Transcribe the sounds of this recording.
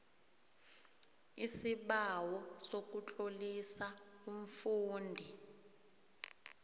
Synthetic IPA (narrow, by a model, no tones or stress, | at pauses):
isiɓawɔsok̬ʼut͡ɬʼolisaum̩fuːndʱi